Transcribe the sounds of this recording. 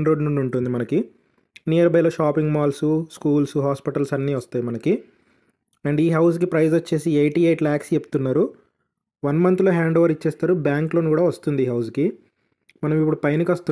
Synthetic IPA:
nɾoːɖnuɳɖuɳʈund̪imɐnɐki | nijɐɾɐbɐjloːʃaːpiŋɡmaːlsuskuːlsuɦaːspiʈɐlsɐnːiːʋɐst̪aːjimɐnɐki | ɛɳɖiːɦɐws̬k̬ipɾɐjzɐt͡ʃːe̞ːsiejʈiːejʈlaːkst͡ʃepːu̥t̪unːaːɾu | ʋɐnmɐnt̪lo̞ːɦaːɳɖoʋɐɾit͡ʃːeːst̪aːɾubjaːŋkloːnukuːɽaːʋɐst̪und̪iːɦɐws̬ki | mɐnɐmip̬ːuɽupɐjnikɐst̪u

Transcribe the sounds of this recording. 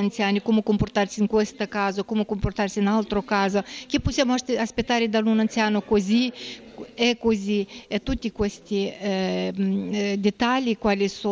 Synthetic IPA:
ant̪sjanikumukompoɾt̪aɾsiiŋkwɛst̪əkazokumukomport̪aɾsinalt̪ɾokazokiposjamoaspet̪ːaɾed̪alunant̪sjanokozi | ɛkoziɛt̪ut̪ːikwɛst̪i | d̪et̪alikwalis

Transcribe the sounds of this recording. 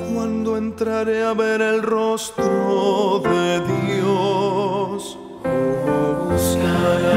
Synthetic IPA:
kwand̪oe̞nt̪ɾaɾeaβe̞ɾelrost̪ɾoðeðjo | s | oβuskaɾa

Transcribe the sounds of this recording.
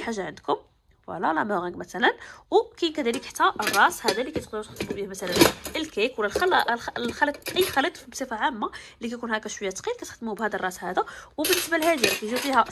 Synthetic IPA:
ħaʒːaʕənd̪kʊm | fæ̰lælæmæɣæɡmæt̪ælənwkæjnkæd̪æləkəħt̪ːæʔərˤːɑshæd̪ælikæjt̪qd̪ut̪əxt̪ːmubihmæt̪ælənʔəlkækwlːælxællxælət̪ˤʔəjːxælət̪ˤfibsˤifaʕamːalikæjkunhækæʃwəjːæt̪qilkæt̪əxd̪əmubhæd̪irˤːɑshæd̪æwbənːəsbælhæd̪ijækæʒufihæ

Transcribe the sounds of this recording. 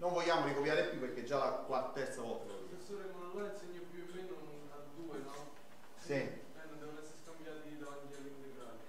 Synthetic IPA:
noɱvɔʎːaːmoɾikopjaːɾepjupːeɾk̟ed͡ʒːalakwartt̪ːɛrt̪savɔlt̪alovḭesoɾekmonawaɾinseɲːopjuemːenonn | ad̪uːenɔ | si | ɛnːond̪ɛʋonɛsːeɾskambjaːt̪id̪avant̪ialːint̪eɡɾaːl

